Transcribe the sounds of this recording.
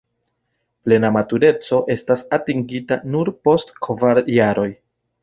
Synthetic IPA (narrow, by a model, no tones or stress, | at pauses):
ple̞namatuɾe̞t͡so̞ʔe̞stasatiŋɡita̰nuɾpo̞stkʰvaɾjaɾo̞j